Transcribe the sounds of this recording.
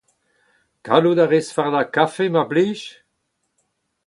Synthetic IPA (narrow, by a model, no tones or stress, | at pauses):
kalud̪aʁesfaʁd̪akafemabliːʃ